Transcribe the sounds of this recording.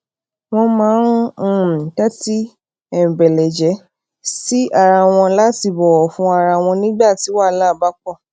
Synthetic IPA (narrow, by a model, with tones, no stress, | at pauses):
w̃ɔ̃˧mãː˦ɾ̃ũ˦˨tɛ˦ti˦ | ɛ˨bɛ˨lɛ˨d͡ʒɛ˨˦ | si˦a˧˨ɾa˧˨w̃ɔ̃˧la˦ti˦˨bɔ˨ɔ˨fũ˧˦a˧ɾa˧w̃ɔ̃˧nĩ˦ɡ͡ba˦˨ti˨˦wa˦˨la˦˨ba˦k͡pɔ˦˨